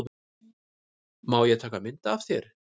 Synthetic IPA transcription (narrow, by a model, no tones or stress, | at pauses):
maːwjɛɣt̪ʰaːkamɪnt̪aːvθjɛɾ̥